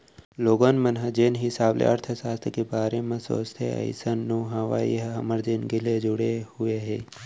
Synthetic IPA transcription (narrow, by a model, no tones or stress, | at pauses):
loːɡanmɐnɦɐd͡ʒeːnɦɪsaːblḛɐɾt̪ʰəsaːst̪ʰəkebaːɾemɐ̃so̰ːst̪ʰḛɐ̰jsɐnːuːɦaʋa̰ːḭɦɦɐməɾd͡ʒeːnɡɪled͡ʒʊɽehueɦe